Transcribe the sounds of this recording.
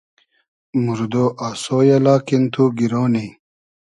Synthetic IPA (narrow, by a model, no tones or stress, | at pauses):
muɾd̪oːʔasoːjɐlaːkint̪ʰuɡiɾoːni